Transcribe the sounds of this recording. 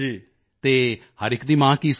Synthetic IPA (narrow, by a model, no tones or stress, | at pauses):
d͡ʒiː | t̪eː | həɾɪkd̪iːmãːkis